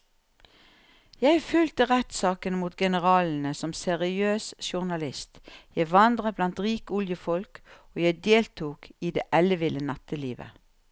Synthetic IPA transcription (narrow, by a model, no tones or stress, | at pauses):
jæɪfʏlt̪əʁɛt̪sɑːkənmuːt̪ɡɛnəʁɑːln̩əsɔmsɛʁɪøːsʃʊʁnɑlɪst̪jæɪʋɑnd̪ʁəblɑnt̪ʁiːkʊljəfɔlk | oːjæɪd̪eːlt̪ʰuːkiːd̪ḛːʔɛləʋɪlənɑt̪ʰəliːʋə̰